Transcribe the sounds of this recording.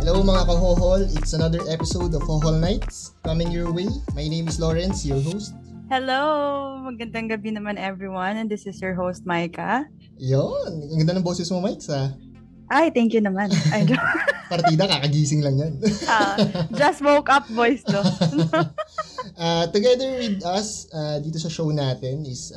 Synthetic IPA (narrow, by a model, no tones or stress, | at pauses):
hɛlowmɐŋakɐɦoɦolɪt̪sɐnɐd̪ɛɹʔɛpɪsowd̪ɔvhoɦolnajt̪̚s | kɐmɪ̃ŋjɔɹwejmajnejmɪsloɹɛnsjɔɹɦowst̪̚hɛlomɐɡɐnd̪ɐŋɡɐbinɐmanʔɛvɹiwɐnɛnd̪ɪsɪsjɔɹɦowst̪̚majkɐ | jonmɐɡɐnd̪ɐnɐŋbosɛsmomajk̪sa | ʔajt̪ɛŋkjʊnɐmanɐjd̪opɐɾt̪iːd̪ɐkaːkɐɡiːsɪŋlɐŋjɐnad͡ʒɐsmowkɐp̚vojso | ʔat̪ʊɡɛd̪ɛɹwɪd̪ɐsad̪iːt̪osɐʃownaːt̪ɛnɪs